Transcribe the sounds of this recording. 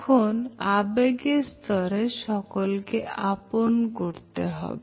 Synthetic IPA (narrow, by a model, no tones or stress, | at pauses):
kʰonabeɡeɾst̪ɔɾeʃɔkolkeaponkoɾt̪eɦɔ̰be